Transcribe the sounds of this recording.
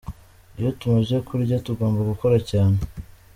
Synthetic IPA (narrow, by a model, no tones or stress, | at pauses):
ijotumaʒekʰuɾɟatuɡo̞ːmbaɡuko̞ɾacaːne